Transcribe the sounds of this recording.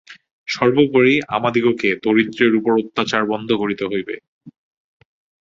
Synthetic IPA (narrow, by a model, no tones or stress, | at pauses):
ʃɔɾbopoɾia̰mad̪iɡoket̪oɾit̪ːɾeɾupoɾot̪ːat͡ɕaɾbɔnd̪ʱokoɾit̪eɦojbḛ